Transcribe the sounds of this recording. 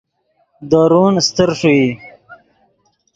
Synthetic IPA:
d̪aːɾunst̪əɾʂui

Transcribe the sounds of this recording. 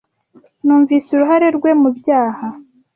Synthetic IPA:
nuːɱviːsuɾuɦaɾe̞ɾɡwe̞mubjaːha

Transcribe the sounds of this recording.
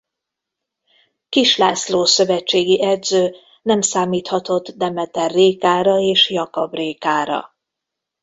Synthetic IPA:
kiʃlaːsloːsø̞vɛt͡ʃːeːɡiʔɛd̪zøː | nɛmsaːmiːt̪hɒt̪o̞t̪d̪ɛmɛt̪ɛrːeːkaːɾɒeːʃjɒkɒbreːkaːɾɒ̰

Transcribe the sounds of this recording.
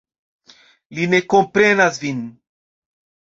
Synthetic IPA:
line̞kompɾenasvin

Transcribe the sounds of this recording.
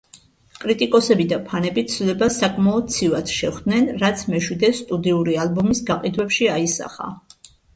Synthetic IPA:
kʼɾit̪ʼikʼɔsɛbid̪apʰanɛbit̪sʰlɛbasakʼmaɔd̪̚t̪sʰivat̪ʃɛχd̪nɛnɾat̪sʰmɛʃwid̪ɛsst̪ʼud̪iuɾialbɔmisɡaqʼid̪wɛpʃiaisa̰χa̰

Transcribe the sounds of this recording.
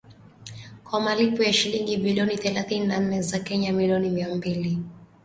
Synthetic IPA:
kwamalipɔjaʃiliŋɡibiliɔniθɛlaθininan̩nɛzakɛɲamiliɔnimiambili

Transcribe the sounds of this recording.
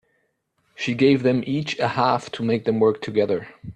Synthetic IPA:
ʃiɡeɪvðɨ̃mit͡ʃɨhæftʰəmeɪk̚ðɨ̃mwɜ˞k̚tʰɨɡɛðə˞

